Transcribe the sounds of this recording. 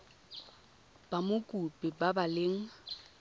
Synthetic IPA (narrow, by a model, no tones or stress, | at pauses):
b̥amʊkʼupʼɪbabalɪŋ̩